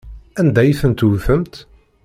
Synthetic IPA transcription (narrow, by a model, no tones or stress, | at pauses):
ænd̪æjiθənt̪wθəmt̪